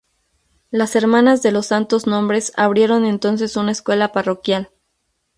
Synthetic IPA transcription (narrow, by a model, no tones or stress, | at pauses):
lase̞ɾmãnazðe̞lo̞sːant̪o̞znõ̞mbɾe̞sa̰β̞ɾje̞ɾo̞ne̞nt̪o̞ns̬e̞sunaeskwe̞laparo̞kjal